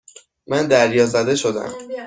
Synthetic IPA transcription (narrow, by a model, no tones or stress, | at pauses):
mænd̪æɾjɒːzæd̪e̞ʃo̞d̪æ̰m